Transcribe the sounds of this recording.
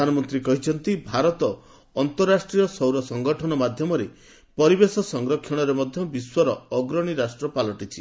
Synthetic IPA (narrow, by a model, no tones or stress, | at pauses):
anɔmɔnt̪ɾikɔɦit͡ʃʰɔnt̪ibʱaɾɔt̪ɔː | nt̪ɔɾːasʈɾijɔsɔwɾɔsɔŋɡɔʈʰɔnɔmad̪ʱjɔmɔɾe | pɔɾibesɔsɔŋɡɾɔkʰjɔɽ̃ɔɾemɔd̪ʱjɔbiswɔɾɔɔɡɾɔɽ̃iɾasʈɾɔpalɔʈit͡ʃʰi